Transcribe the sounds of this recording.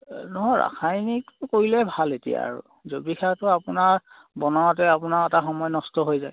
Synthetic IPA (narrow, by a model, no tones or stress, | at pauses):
nɔɦɔɹa̰xʰajnikkoɹilɛbʱaletḭja̰ːɹṵ | zobixʰatʊapʊnaɹ | bɔnawɔt̬ɛapʊnaɛtaxɔmɔjnɔstɔɦojzaj